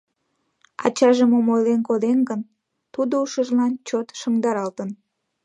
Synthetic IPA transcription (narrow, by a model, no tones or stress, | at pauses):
ɑ̰t͡ɕɑʒəmomolenkod̪enɡən | t̪ud̪ouʃəʒlɑnt͡ɕot̪ʃəŋd̪ɑɾɑlt̪ən